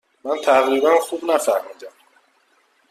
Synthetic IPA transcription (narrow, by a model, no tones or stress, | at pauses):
mænt̪ʰæʁɾiːbænxubnæfæhmiːd̪æm